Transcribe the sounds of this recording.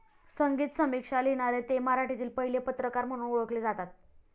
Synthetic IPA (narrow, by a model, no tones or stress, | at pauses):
səŋɡiːt̪səmikʂaljeɽ̃aɾet̪emaɾaʈit̪iːlpəɦilepət̪ɾəkaɾm̤əɽ̃uːnoɭəkled͡zat̪at̪̚